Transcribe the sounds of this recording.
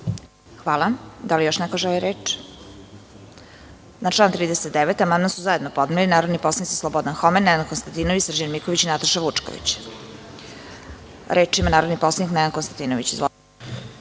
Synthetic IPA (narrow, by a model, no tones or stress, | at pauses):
xʋaːlˠad̪alijoʃnɛkoʒɛliɾeːt͡ʂ | naʈ͡ʂlˠaːnt̪ɾiːd̪eset̪̚d̪eʋet̪amanamsuzajed̪nopo̞d̪nilinaːɾod̪niposlˠanit͡s̪i̥slˠobod̪anxomenːɛnankonst̪ant̪inoʋit͡ɕsr̩d͡ʑanmikoʋit͡ɕinat̪aʃaʋut͡ʂko̰ʋḭt͡ɕ | ɾe̞ːt͡ʂimanaːɾod̪nipo̞slaniknɛankonst̪ant̪iːnoʋit͡ɕizʋo